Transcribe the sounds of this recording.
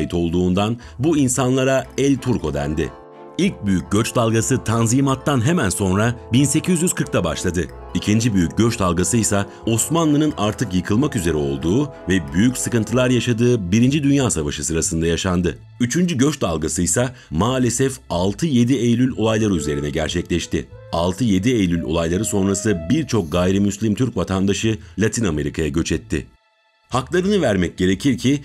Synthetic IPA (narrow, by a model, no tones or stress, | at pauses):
jit̪ʰo̞lˠd̪uːnd̪an | buinsanlˠaɾaɛlʲt̪ʰuɾkʰo̞d̪æ̰nd̪ɪ̰ | ilʲc̚byjyc̚ɟø̞t͡ʃd̪alˠɡasɯt̪ʰanziːmat̪ːanɦe̞mænso̞nɾabinse̞cʰyzjyz̥kʰɯɾk̚t̪ʰabaʃlˠad̪ɯ | icʰind͡ʒibyjyc̚ɟøt͡ʃd̪alˠɡasɯjsa | o̞smanlˠɯnɯnaɾt̪ʰɯkjɯkʰɯlˠmakyze̞ɾɛo̞̰lˠd̪uːvɛbyjycsɯkɯnt̪ʰɯlˠaɾjaʃad̪ɯːbiɾind͡ʒid̪ynjaːsavaʃɯsɯɾasɯnd̪ajaʃand̪ɯ | yt͡ʃʰynd͡ʒyɟøʃtd̪alˠɡasɯjsamaːlʲesɛfalˠt̪ʰɯje̞d̪iejlʲylʲo̞lˠajlˠaɾɯyze̞ɾinɛɟæɾt͡ʃʰɛclʲɛʃt̪ɪalˠt̪ʰɯje̞d̪iejlʲylʲo̞̰lˠajlˠaɾɯso̞nɾasɯbiɾt͡ʃʰo̞k̚ɡajɾimyslʲimt̪ʰyɾcvat̪ʰand̪aʃɯlʲat̪ʰiname̞ɾikʰajaɟø̞t͡ʃʰɛt̪ʰːɪ̰ | haklˠaɾɯnɯvæɾmɛc̚ɟ̥e̞ɾe̞cʰiɾcʰi